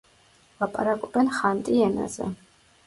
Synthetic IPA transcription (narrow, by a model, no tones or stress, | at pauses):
lˠapʼaɾakʼɔbɛnχant̪ʼiɛna̰zɛ̰